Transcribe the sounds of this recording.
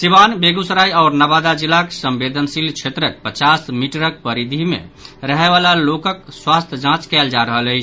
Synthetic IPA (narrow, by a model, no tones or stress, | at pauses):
siβanbeɡusɾajaʊɾnəbad̪ad͡ʒilːaksəmbed̪ʱənsilt͡ʃʰet̪ɾək̚pət͡ʃasmiʈɾək̚pəɾid̪ʱimḛɾəɦɛβalalokək̚swast̪ʰjəd͡ʒãt͡ʃkɛld͡ʒaɾəɦələɪt͡ʃʰ